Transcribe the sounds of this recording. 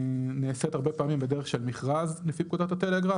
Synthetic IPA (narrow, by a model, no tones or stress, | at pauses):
neːset̪aʁbepaːmimbed̪e̞ʁeχʃelmiχʁazlefip̚kud̪at̪at̪eleɡʁa